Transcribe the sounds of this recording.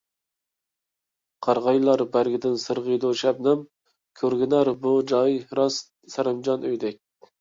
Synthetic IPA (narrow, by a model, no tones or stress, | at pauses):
qʰɑɾʁɑjlˠɑɾbæɾɡʲɪd̪ɪnsɨɾʁəjd̪oʃɛp̚nɪm | kʲʰøɾɡʲɪnæɾbud͡ʒɑjɾɑs | sæɾɪmd͡ʒɑnøjd̪ɛk̚ʲ